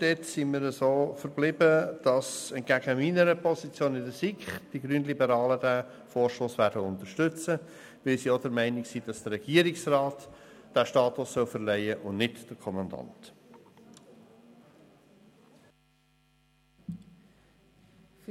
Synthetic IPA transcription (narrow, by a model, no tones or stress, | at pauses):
d̥ɛtsimiːɾəsoːfəɾblɪbəd̥ɑsɛnt̚ɡ̥æɡ̥əminəɾəpʰɔsit͡sjoːnɪdəsikχd̥iɡɾyːnlibəɾɑːlədæ | foːɹʃtoːsʋæːɾdəʊnt̪əɾʃtʏt͡sə | ʋɪlsiɔdəɾmɛɪnɪksid̥ɑsd̥əɾɛɡ̥iːəɾɪiksrɑːtd̥æʃtɑːtʊsːœʊfəɾlɛɪəʔʊnnɪtd̥əɾkʰɔmɑndɑ̰nt